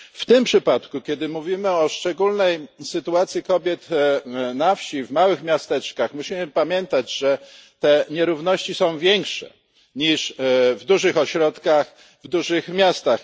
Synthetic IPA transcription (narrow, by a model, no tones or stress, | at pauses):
ft̪ɘmpʂɘpat̪kukʲɛd̪ɘmuvʲimɘɔʂt͡ʂɛɡulnɛjsɘt̪uat̪sʲjikɔbʲjɛt̪nafɕivmawɘxmʲjast̪ɛt͡ʂkaxmuɕimɘpamʲjɛnt̪ad͡ʑʐɛt̪ɛɲɛɾuvnɔɕt͡ɕisɔ̃w̃vʲjɛŋkʂɛ̰ | ɲiʂvd̪uʐɘxɔɕɾɔt̪kax | vd̪uʐɘxmʲjast̪ax